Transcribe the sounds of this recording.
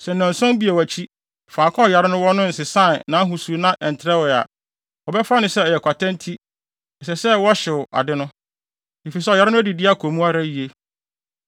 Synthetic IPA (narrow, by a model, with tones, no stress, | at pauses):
sɛ˨nã˨n̩˨sʊ̃˦m˦bi˨e˨wæ˨t͡ɕʰi˦ | faː˨kʰɔ̃˦ɔ˨ja˨ɾɪ˦nʊ̃˦wɔ˦nʊ̃˦n̩˨sɪ˨sã˦˨nã˨˦ɦu˨su˨˦nã˦ʔɛ˨n̩˨tʰɾɛ˦wa̰˨ | ɔ˨bɛ˦fa˦nʊ̃˨sɛ˦ɔ˨jɛ˨kʷʰa˨tʰã˦n˦tʰi˦ | n̩˨sɛ˨sɛ˦wɔ˦ɕɪ˨ʊ˨ʔa̰˨dɪ˦nʊ̥̃˦ | i˨fi˨s̬ɛ˦ɔ˨ja˦ɾɪ˦nʊ̃˦æ˦di˨dɪ˦a˦kʰo˨mũ˦a˦ɾa˦ji˨e˦